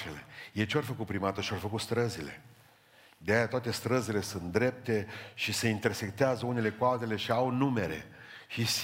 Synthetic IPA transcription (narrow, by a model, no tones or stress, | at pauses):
elḛjet͡ʃeorfəkut̪pɾimat̪əʃiorfəkut̪st̪ɾəzile̞̰ | d̪eajat̪oat̪e̞st̪ɾəzile̞sunt̪d̪ɾe̞p̚t̪e̞ʃise̞int̪e̞rsek̚t̪eazəune̞le̞kualt̪e̞le̞ʃiawnume̞ɾe̞̰ | ʃis